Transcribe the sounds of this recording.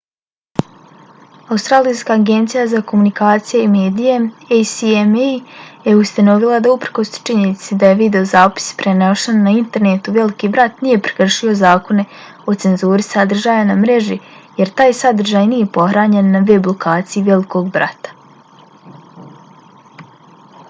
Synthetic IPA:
aust̪ɾaːlijskaːɡe̞nt̪sijazakomunikaːt̪sijeime̞ːd̪ijeejsiemjeust̪ano̞ʋilˠad̪aupɾko̞st͡ʃiɲenit̪sed̪aje̞ʋid̪e̞o̞zaːpi̥si̥pɾenoʃenːaint̪e̞ɾnet̪uʋe̞likiːbɾat̪nije̞pɾe̥kr̩ʃio̞zaːko̞ne̞ | o̞t̪se̞nzuːɾisad̪r̩ʒaːjanamɾe̞ʒije̞ɾt̪aːjsad̪r̩ʒaːjniːje̞po̞xɾaːɲe̞nːaʋeblˠokʰaːt̪sijiʋe̞liko̞ɡbɾa̰t̪ḁ

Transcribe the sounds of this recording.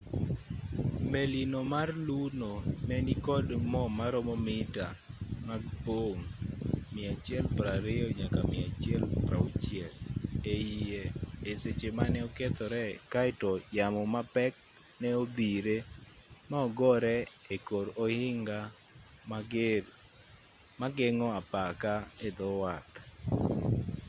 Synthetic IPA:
melinomarlunonɛnikɔdmɔmaɾɔmɔmɪta | maboŋmɪat͡ʃɛlpɾaɾɪɔɲakamɪat͡ʃjɛlpɾa̰ut͡ʃɪɛlejieeset͡ʃemanɛɔket̪ɔɾɛkaɪtɔjamɔmapɛk̚ | nɛod̪iɾe | maɔɡɔɾɛekoɾohɪŋɡa | maɡ | maɡɪŋɔapakaed̪ɔwat̪

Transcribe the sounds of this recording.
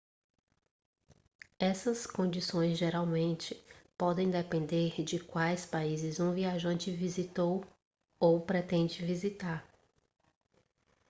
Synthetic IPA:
ɛsɐskõnd͡ʒisõj̃zʒeɾawmẽnt͡ʃɪpɔd̪ẽj̃d̪ɛpẽnd̪eɾd͡ʒɪkwajspaizɪzũviaʒɐ̃nt͡ʃɪvizit̪ow | owpɾɛt̪ẽnd͡ʒɪvizit̪aɾ

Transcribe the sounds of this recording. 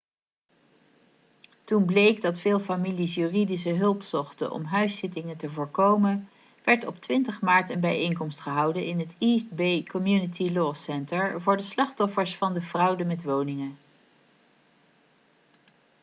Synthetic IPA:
tunblejɡdɑtfɪːlˠfamilisjyridis̬əɦɵlˠpsɔχtə̰nʔɔ̰mɦœɥsɪtɪŋəntəvʊːɹkowmən | ʋɛɹtɔptʋɪntəχmaːɹtənbɛjejŋkɔmstχəɦʌwdənɪnɦətist̚bejkɔmjunətilɔsɛntəɹvʊːɹdəslɑχtɔfəɹsfɑndəvrʌwdəmɛtʋownɪŋə

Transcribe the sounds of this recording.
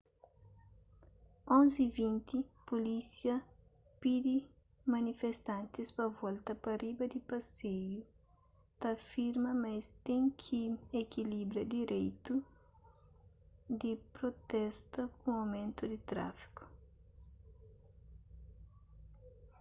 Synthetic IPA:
õnzivĩnt̪ipolisjɐ | pid̪i | mɐnifest̪ãnt̪ɪspɐvɔlt̪ɐpɐribɐd̪ipɐsejʊ | t̪ɐfiɾmɐmɐst̪ẽŋkʰiekilibɾɐd̪iɾejt̪u | d̪ipɾot̪ɛst̪ɐkũawmẽnt̪ʊd̪ɪt̪ɾa̰fi̥ku̥

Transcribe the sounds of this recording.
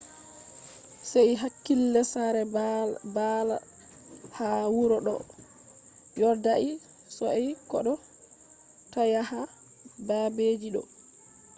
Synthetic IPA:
sɛjɦakːilːɛsaɾɛbala | hawuɾɔɗɔ̰ | jɔɾdaʔi | sɔɛjkɔɗɔ | tajaha | babeːd͡ʒiɗɔ̰

